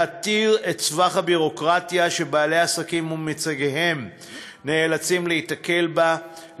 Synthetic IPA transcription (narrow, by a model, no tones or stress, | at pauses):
atiʁett͡svaχhabiʁo̞kʁatjaʃebaːle̞jasakimumit͡saɡeɦe̞m | neːlat͡simleitake̞lba